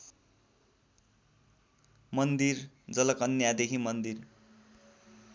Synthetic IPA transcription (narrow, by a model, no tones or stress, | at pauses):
mʌnd̪ir | d͡zʌlʌkʌnjad̪ekʰimʌnd̪ir